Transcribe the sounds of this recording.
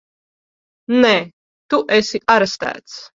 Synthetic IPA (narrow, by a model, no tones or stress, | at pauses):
nɛ | t̪uʔɛsiʔaɾɛst̪æ̰ːt̪s